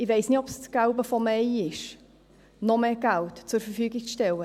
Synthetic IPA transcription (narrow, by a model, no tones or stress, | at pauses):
ɪveɪsnɪtɔpst͡sɡ̥aʊbəfɔmɛɪɪʃ | nɔmeɡ̥awtt͡sʊɾfərfyːɡɪk̚t͡sʃtɛlə